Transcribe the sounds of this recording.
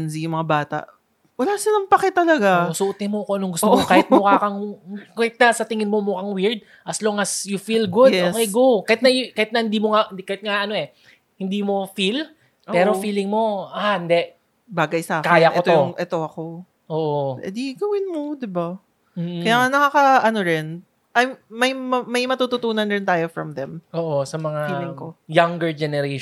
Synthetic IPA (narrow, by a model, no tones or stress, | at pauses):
nzijʊŋmɐŋabaːt̪ɐ̰ʔ | wɐlaːsɪlɐŋpɐkɛt̪ɐlɐɡaosʊʔt̪ɪmokoʔɐnoŋɡʊst̪okahɪt̪̚mokakɐŋkɐhɪt̪̚nasɐt̪ɪŋɪnmomokɐŋwiɹd̪̚ | ʔɐsloŋɐsjʊfilɡud̪okejɡukːɐjɪt̪nɐkahɪt̪̚nɐhɪnd̪iːmoŋakɐhɪt̪̚ŋaʔɐno̞ʔɛ | hɪnd̪iːmo̞fil | ʔpɛːɾofiːlɪŋmo̞ʔahɪnd̪ɛʔ | baːɡɐjsaːkaːjakʔɛt̪ojʊŋʔɛt̪o̞ɐko̞ | ʔoːʔoɛ̰d̪iɡɐwɪnmo̞d̪ɪba | m̩kɐjaːŋɐnɐkakɐʔɐno̞ɾɛn | ʔajmmɐjmɐmɐjmɐt̪ut̪ʊt̪uːnɐnɾɪnt̪aːjofɹɐmðɛmʔoːʔosɐmɐŋafiːlɪŋko̞jɐŋɡɛɹd͡ʒɛnɛɾe